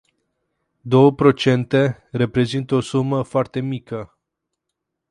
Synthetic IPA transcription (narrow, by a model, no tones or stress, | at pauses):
d̪o̞wəpɾo̞t͡ʃe̞nt̪e̞re̞pɾe̞zint̪əo̞suməfoart̪e̞mikə